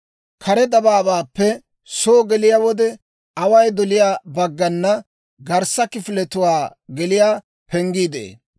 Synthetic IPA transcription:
kʰɐɾɛd̪ɐbaːbaːpːɛ | soːɡɛlɪjawɔd̪ɛ | ɐwɐjd̪ɔlɪjaːbɐɡːɐnːɐ | ɡɐɾsɐkɪfɪlɛt̪ʊwaːɡɛlɪjaː | pɛŋɡiːd̪ḛː

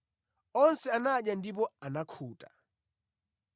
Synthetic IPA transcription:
ɔnsɛanaɗjandip̬ɔanakʰuːtḁ

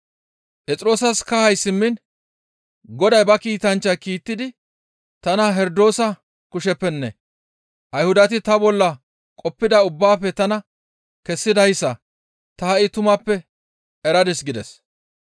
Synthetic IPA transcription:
pʼɛt͡sʼɾo̞ːsɐskɐhɐjsɪmːɪn | ɡɔd̪ɐjbɐkiːt̪ɐnt͡ʃːɐkiːt̪ːɪd̪ɪ | t̪ɐnɐɦɛɾd̪o̞ːsɐ | kʊʃɛpːɛnːɛ̰ | ʔɐjhʊd̪ɐt̪ɪt̪ɐbɔlːɐ | kʼɔpːɪd̪ɐʊbːaːfɛt̪ɐnɐ | kɛsːɪd̪ɐjsːɐ | t̪ɐhɐʔɪt̪ʊmɐpːɛ | ɛɾɐd̪ɛsɡɪd̪ɛs

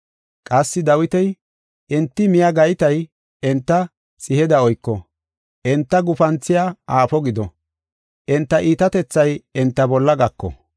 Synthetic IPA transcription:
kʼɐsːɪd̪ɐwɪt̪ɛj | ʔɛnt̪ːɪmɪjaɡɐjt̪ɐj | ɛnt̪ːɐ | sʼɪhɛd̪ɐɔjkːɔ | ʔɛnt̪ːɐɡʊfɐnt͡sːɪjaaːfɔɡɪd̪ɔ | ʔɛnt̪ːɐʔiːt̪ɐt̪ɛt͡sːɐjɛnt̪ːɐbɔlːɐɡɐkːɔ̰

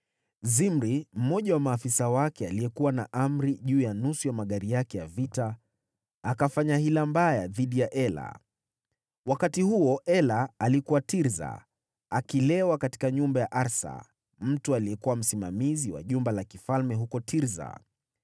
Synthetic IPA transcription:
zimɾim̩mɔʄawamaːfisawakɛaliɛkuwanaʔam̩ɾiʄuːjanusujamaɠaɾijakɛjavita | akafaɲahilambajaðiɗijaʔɛla̰ | wakatihuɔʔɛlaalikuwatiɾza̰ | akilɛwakati̥kaɲumbajaʔaɾsa̰ | m̩tualijɛkuwam̩simamiziwa̰ʄumbalakifalmɛɦukɔtʰiɾza̰

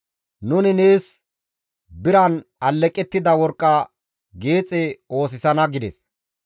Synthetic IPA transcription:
nʊnɪne̞ːs | bɪɾɐnɐlːɛkʼːɛt̪ːɪd̪ɐwɔɾkʼːɐ | ɡe̞ːt͡sʼɛo̞ːs̬ɪsɐnɐɡɪd̪ɛs

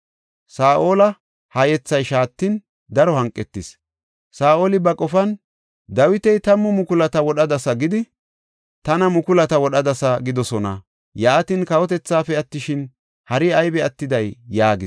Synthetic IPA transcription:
saːʔoːlɐ | hɐjɛt͡sːɐjʃaːt̪ːɪn | d̪ɐɾɔhɐŋkʼːɛt̪ːɪs | saːʔoːlɪbɐkʼɔfɐn | d̪ɐwɪt̪ɛjt̪ɐmːɔmʊkʊlɐt̪ɐwɔɗɐd̪ɐsɐɡɪd̪ɪ | t̪ɐnɐmʊkʊlɐt̪ɐwɔɗɐd̪ɐsɐɡɪd̪ɔsɔnɐ̰ | jaːt̪ɪnkɐwɔt̪ɛt͡sːaːfɛɐt̪ːɪʃɪn | hɐɾɪɐjbɛɐt̪ːɪd̪ɐjːaːɡɪ

